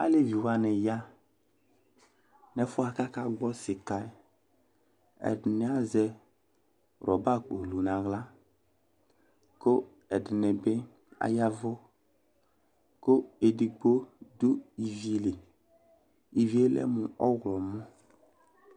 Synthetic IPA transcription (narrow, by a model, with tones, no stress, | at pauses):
a̰˦le˦vi˨wa˨nɪ˨ja˦ | nɛ˨fʊ˦a˨ka˦ka˦ɡ͡bɔ˦sɪ˨ka˨˦ | ɛ̰˨dɪ˨nɪ˨˦a˦zɛ˦˨ | ɾʔɔ˨ba˦˨k͡po˨lu˨na˨ɣla˦ | ko˦ | ɛ˨dɪ˨ne˨bɪ˦ | a̰˨ja˦vʊ˦ | ko˦e˨di˨ɡ͡bo˦do˦i˨vi˦le˨ | i˨vi˦e˦lɛ̰˦mʊ˨ɔ˦ɣlɔ˨mɔ˦